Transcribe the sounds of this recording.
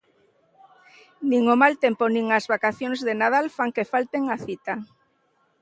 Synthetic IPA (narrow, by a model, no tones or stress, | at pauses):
nĩŋomalt̪emponĩŋazβakaθjoŋzðenað̞alfaŋkefalt̪eŋaθit̪a